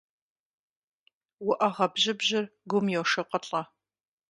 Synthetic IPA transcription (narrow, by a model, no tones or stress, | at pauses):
wʊʔɐʁɐbʑɪbʑɪrɡʷʊmjɛwʂɨqʼɐɬʼɐ